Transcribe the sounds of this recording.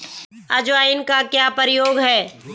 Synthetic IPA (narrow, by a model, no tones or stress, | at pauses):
ɐd͡ʒʋaːɪnkakjaːpəɾɪjoːɡɦɛː